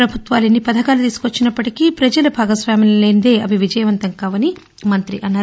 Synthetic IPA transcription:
ɾɐbʱut̪ʋaːlenːipɐd̪ʱɐkaːlut̪iːsu̥kuʋɐt͡ʃːinɐpːɐʈikipɾɐd͡ʒɐlɐbʱaːɡɐsʋaːmɐlleːnd̪e̞ːɐbiʋid͡ʒɐjɐʋɐnt̪ɐŋkaːʋɐni | mɐnt̪ɾḭʔɐnːaːɾu

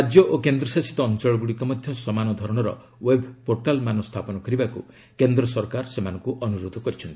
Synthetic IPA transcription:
ad͡ʒjɔʔokend̪ɾɔsasi̥t̪ɔːnt͡ʃɔɭɔɡuɽikɔmɔd̪ʱjɔsɔmanɔd̪ʱɔɾɔɽ̃ɔɾɔ̰ | webʱpoɾʈalmanɔst̪ʰapɔnɔkɔɾibakṵ | kend̪ɾɔsɔɾkaɾsemanɔŋkuʔɔnuɾod̪ʱɔkɔɾit͡ʃʰɔnt̪i̥

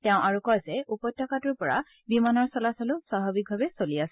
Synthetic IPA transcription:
tɛʊ̃ʔaɹukɔjzɛupɔjtʰːɔkatʊɹpɔɹa̰ | bimanɔɹsɔlasɔlʊsaɦɔbik̚bʱabɛsoliasɛ

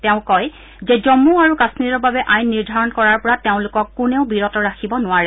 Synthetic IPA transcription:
tɛʊ̃kɔj | zɛzɔmuaɹukasniɾɔɹbabɛʔajnːiɹdʱaɹɔnkɔɹaɹpɔɹateʊ̃lʊkɔkːʊnɛʊ̃biɹɔtɔɹakʰibɔnʊwaɹɛ

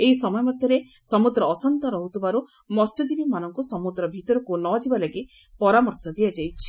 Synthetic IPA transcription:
ejsɔmɔjɔmɔd̪ʱjɔɾe | sɔmud̪ɾɔːsɔnt̪ɔɾɔɦut̪ʰibaɾu | mɔsɔd͡ʒibimanɔŋkusɔmud̪ɾɔbʱit̪ɔɾɔkunɔd͡ʒibalaɡe | pɔɾamɔɾsɔd̪iad͡ʒajt͡ʃʰi̥

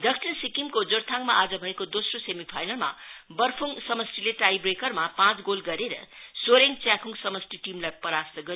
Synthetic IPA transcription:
d̪ʌk̚t͡sʰinsikimkod͡zoɾt̪ʰaŋmaad͡zʌbʱʌekod̪osrosemipʰajnʌlma̰bʌrpʰuŋsʌmʌsʈileʈajbrekʌrmapãt͡sɡolɡʌɾeɾʌ̰soɾeŋt͡sakʰuŋsʌmʌsʈiʈimlajpʌɾast̪ʌɡʌɾ

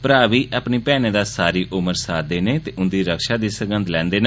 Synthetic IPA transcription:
pəɾaːʋiːʔaːpneːpɛːneːd̪aːsaːɾiːʔʊməɾsaːd̪eːneːt̪eːʊnd̪iːɾəkʃaːd̪iːsəɡənd̪lɛ̃ːnd̪eːn

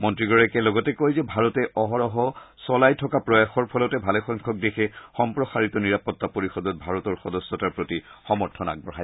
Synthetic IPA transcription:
mɔntɹiɡɔɹɛkɛlɔɡɔtɛkojzɛbʱaɹɔtɛʔɔɦɔɹɔɦɔsɔlajtʰɔkapɹɔjaxɔɹpʰɔlɔtɛbʱalɛxɔŋkʰɔk̚dexɛxɔmpɹɔxaɹitɔniɹapɔtːapoɹixɔdɔt̚bʱaɹɔtɔɹxɔdɔsɔtaɹpɹotixɔmɔɹtʰɔna̰ɡ̚bɔɹɦaj

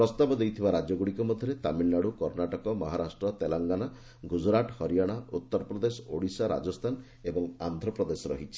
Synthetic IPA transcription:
pɾɔst̪abɔd̪ejt̪ʰibaɾad͡ʒjɔɡuɽikɔmɔd̪ʱjɔɾet̪amilnaɽukɔɾnaʈɔkɔmɔɦaɾasʈɾɔt̪elaŋɡana | ɡud͡ʒɾaʈhɔɾijaɽ̃aut̪ːɔɾɔpɾɔd̪esɔ̥oɽisaɾa̰d͡ʒɔst̪ʰan | ebɔŋa̰nd̪ʱɾɔpɾɔd̪esɔɾɔ̰ɦit͡ʃʰi̥

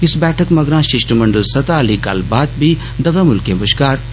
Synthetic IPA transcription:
ɪsbɛːʈʰəkmɐɡɾãːʃɪʃʈmɐɳɖəlsɐt̪aːɐliːka̰ːlbaːt̪̚bʱiː | d̪ɐʋeːmʊlkẽbʊʃkaːɾ

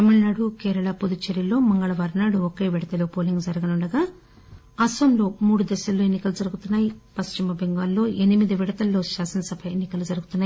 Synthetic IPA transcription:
ɐmiɭnaːɽukɛːɾɐɭɐpod̪ut͡ʃeɾilo̞ːmɐŋɡɐɭɐʋaːɾnaːɽuoke̞ːʋiɽɐt̪ɐlo̞ːpoːliŋɡd͡ʒɐɾɐɡɐnuɳɖɐɡaː | ɐsɐmlo̞ːmuːɽud̪ɛʃɐlːoːenːikɐlud͡ʒɐɾuɡut̪unːaːjipɐst͡ʃimɐbʱeŋɡaːlːo̞ːʔenimid̪iʋiɽɐt̪ɐlːo̞ːʃaːsɐnɐsɐbʱɐenːikɐlud͡ʒɐɾuɡut̪unːaːi

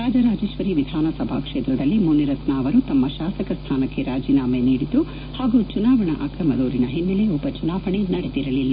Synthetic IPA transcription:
ɾaːd͡ʒɐɾaːd͡ʒeːʃʋɐɾiʋid̪ʱaːnɐsɐbʱa̰ːkʂeːt̪ɾɐd̪ɐlːimunːiɾɐt̪naːʋɐɾut̪ɐmːɐʃaːsɐkɐst̪ʰaːnɐkːe̞ɾaːd͡ʒiːnaːmeniːɽid̪ːu | haːɡut͡ʃunaːʋɐɳɐ̰ʔa̰ːkɾɐmɐd̪oːɾinɐɦinːɐleɔbɐt͡ʃunaːʋɐɳenɐɽed̪iɾɐlilːa

